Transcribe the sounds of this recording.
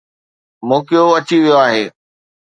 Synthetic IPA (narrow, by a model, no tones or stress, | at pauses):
moːkijoɐt͡ɕiʋijoaːɦeː